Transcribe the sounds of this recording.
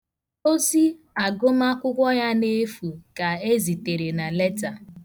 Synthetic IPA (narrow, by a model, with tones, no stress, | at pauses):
o˦si˦ | a˨ɡʊ˦ma˦kʷʊ˦kʷɔ˦ja˦ne˦fu˨ka˨e˦zi˨te˨ɾe˨na˨le˦ta˨